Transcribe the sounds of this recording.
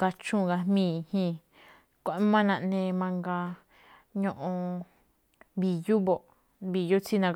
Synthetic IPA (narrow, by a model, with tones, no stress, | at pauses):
ka˧t͡ʃũ˦˨ɡa˧mĩː˦˨˧hĩ˧˨ | kʷo˦˨ʔmã˦nã˧nẽ˧mã˧ŋɡa˧ | ɲõ˧ʔõ˧ | βi˧ju˦βo˨ʔ | βi˧ju˦t͡si˦nã˧